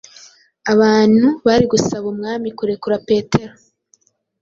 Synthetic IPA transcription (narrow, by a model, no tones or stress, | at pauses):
aβaːn̥huβaɾiɡusaβumŋaːmikuɾe̞kuɾape̞ːtʰe̞ɾo